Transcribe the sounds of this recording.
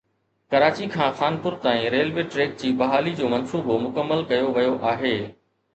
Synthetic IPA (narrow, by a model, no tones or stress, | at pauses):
kɐɾaːt͡ɕikʰãːxaːnpʊɾt̪aːĩɾeːlʋeːʈɾeːk̚d͡ʑiːbɐɦaːlid͡ʑoːmɐnsuːbomʊkəmːəlkɐjoʋɐjoʔaːɦeː